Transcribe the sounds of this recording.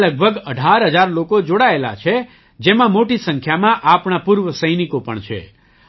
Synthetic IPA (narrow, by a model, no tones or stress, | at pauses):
ləɡ̚bʱəɡəɖʱaɾɦəd͡ʒaɾlokod͡ʒoɽaela̰t͡ʃʰe | d͡ʒemãmoʈisə̃ŋkʰjamãʔapɳapuɾʋəsəjnikopə̰ɳt͡ʃʰḛ